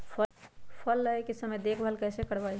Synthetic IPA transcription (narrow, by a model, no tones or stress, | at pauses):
pʰəpʰəlːəekisəmed̪ekʰbʱəlkəsekəɽbaj